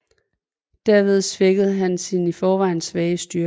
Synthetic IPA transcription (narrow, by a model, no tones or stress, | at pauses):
d̥æɐ̰ʋe̝ð̞ˠsʋeɡ̥əð̞̩ˠɦænsinifɒːʋɑ̈ɪ̰nsʋɛːɪəsd̥yɐ